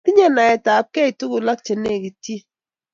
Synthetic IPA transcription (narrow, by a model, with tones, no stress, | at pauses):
ti˦ɲe˦na˨ɛ˨ta˨p̚kɛ˦i˨tu˦kʊ˨la˦k̚t͡ʃe˨ne˦˨ki˨tji˦